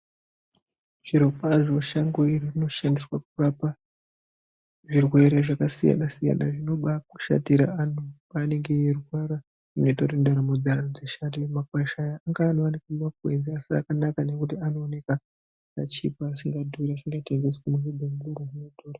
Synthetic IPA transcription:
ʐ̥iɾo̞kaʐo̞ʃaŋɡoiririno̞ʃandiswakurapa | ʐirwe̞ɾe̞ʐakasija̰nasija̰naʐino̞ɓaku̥ʃa̰tiɾa̰anupaːne̞ŋɡe̞jerwaɾa | rino̞itautindaɾamod͡zanod͡zeʃatimakwaʃajaːŋɡaːn̤oanekumakwend͡ziasia̰kanakane̞kutiano̞ːne̞ka | pa̰t͡ʃipaːsiŋɡadʱuɾasiŋɡateŋɡe̞skumunobʱezinaɾarinotʰoːɾa

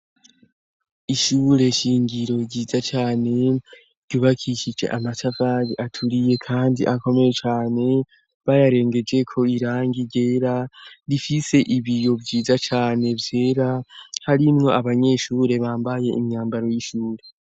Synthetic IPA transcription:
iʃuːɾe̞ʃiːŋɡiɾo̞ɾɟiːzat͡ʃaːne̞ | ɾɟuβakʰiʃid͡ʒe̞̰ʔamatafaɾiʔatʰuɾije̞kʰaːndiʔako̞me̞je̞t͡ʃaːne̞ | βajaɾe̞ːŋɡe̞d͡ʒe̞kʰo̞iɾaːŋɡiɟe̞ːɾaɾifise̞ʔiβijo̞bɟiːzat͡ʃaːne̞vje̞ɾahaɾimŋo̞aβaɲe̞ʃuːɾe̞βaːmbaje̞ʔimɲaːmbaɾo̞jiʃuːɾe̞

